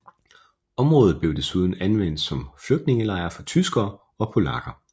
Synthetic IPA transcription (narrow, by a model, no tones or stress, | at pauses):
ɒ̽mʁɔ̽ːðˠð̩ˠb̥le̝ʊd̥e̝suð̞ˠn̩ænʋen̰d̥sɒ̽mfløɡ̥̚d̥ne̝ŋəlɑ̈ɪɐfɒ̽t͡sʰysɡ̥ɐː | ɒ̽pʰo̝lɑ̈ɡ̥ɐ